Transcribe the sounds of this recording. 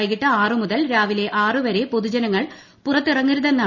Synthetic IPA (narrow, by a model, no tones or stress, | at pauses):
jɣiʈːɐaːrɨmuðɐlɾaːʋile̞ʔaːrɨʋɐɾe̞poðud͡ʑɐnɐŋːɐɭ | purɐt̪ːirɐŋːiɾuðenːa